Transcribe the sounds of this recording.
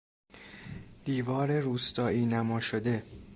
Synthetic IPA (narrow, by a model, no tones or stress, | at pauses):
d̪̥iːvɒːɾe̞ɾuːst̪ɒːiːnæmɒːʃod̪e̞